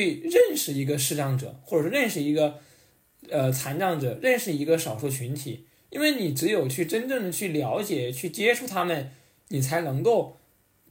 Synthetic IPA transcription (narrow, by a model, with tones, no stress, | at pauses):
y˥˧ɻə˥˩nʂɻ̩˧˥˩i˧˥ɡə˧ʂɻ̩˥˧ʈ͡ʂɑ˥˩ŋʈ͡ʂɤ̰˨˩˦xwɔ˥˩˨ʂwɻə˥˩˧nʂɻ̩˥˩i˧˥ɡə˧ | ə˧t͡sʰa˧˥nʈ͡ʂɑ˥˩ŋʈ͡ʂɤ˨˩ɻə˥˩nʂɻ̩˥˩i˧˥ɡə˧ʂɑ˨˩ʊʂu˥˩t͡ɕʰy˧˥nt̪ʰi˨˩˦ | i˥nwe˥˩ɪni˨˩ʈ͡ʂɻ̩˧˥jo˨˩ʊt͡ɕʰy˥˩ʈ͡ʂə˥nʈ͡ʂɤ˥˩ŋd̪ə˩t͡ɕʰy˥˩ljɑ˧˥ʊt͡ɕjɛ˨˩˦t͡ɕʰy˥˩t͡ɕjɛ˥ʈ͡ʂʰu˥˩t̪ʰa˥mə˨n | ni˨˩t͡sʰa˧˥ɪnɤ˧˥ŋko˥˩ʊ